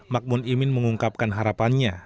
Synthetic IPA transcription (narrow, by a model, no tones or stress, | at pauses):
mak̚mʊnimɪnməŋuŋkap̚kanɦaɾapanɲa